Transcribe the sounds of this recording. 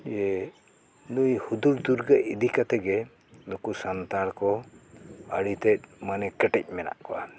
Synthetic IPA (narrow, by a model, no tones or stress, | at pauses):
ɛ | nujhud̪uɾd̪uɾɡəʔid̪ikat̪ɛɡɛ | nukusant̪aɾkɔ | əɽit̪ɛt̚manɛkəʈɛc̚ˀmɛna̰ʔkɔwa